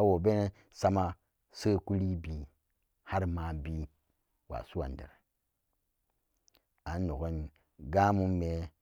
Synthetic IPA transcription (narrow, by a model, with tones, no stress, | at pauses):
wo˨be˦ne˦ | sa˦ma˦ | sə˦ku˦li˦bi˨ | ha˦ɾma˨bi˦ | wa̰˨su˦wa̰˨n˨dḛ˨ɾe˨ | a˨nː˦o˨ɡo˦n | ɡa˦mu˦mme˨